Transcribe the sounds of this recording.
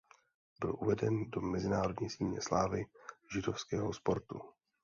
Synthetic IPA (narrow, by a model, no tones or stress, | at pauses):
bɪlʔuvɛdɛndo̞mɛzɪnaːɾo̞dɲiːsiːlɲɛ̰slaːvɪʒɪdo̞fskɛːɦospo̞ɾt̪ṵ